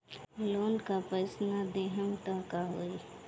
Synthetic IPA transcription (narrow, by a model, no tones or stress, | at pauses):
loːnkapəɪsnad̪eːɦəmʈaːkaɦoːi